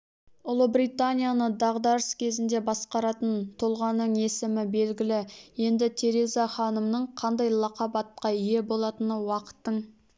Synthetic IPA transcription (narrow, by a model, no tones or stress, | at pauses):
ʊlˠəbɾijt̪anʲijanəd̪ɑʁd̪ɑɾəskʲʰe̞zɪnd̪e̞bɑsqɑɾɑt̪ənt̪ʰolˠʁɑnːəɴe̞sɪmɪbe̞lɡʲɪlɪje̞nd̪ɪt̪ʰe̞ɾe̞zaχɑnəmnəɴqʰɑnd̪ɑjlˠɑqɑbɑt̪̚qɑije̞bo̞lˠɑt̪ənəwɑqə̥t̪ːəɴ